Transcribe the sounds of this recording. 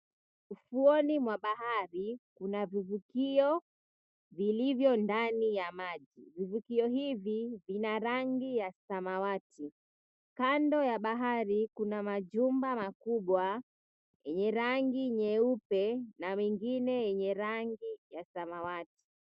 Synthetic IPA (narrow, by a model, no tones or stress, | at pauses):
ufuɔnimwaɓahaɾikunavivukiɔ | vilivjɔndanijamaʄivivukiɔɦivivinaɾaŋɡijasamawatʰi | kandɔjaɓaɦaɾikunamaʄumbamakuɓwa | jɛɲɛɾaŋɡiɲɛupɛnamiŋɡinɛjɛɲɛɾaŋɡijasamawati̥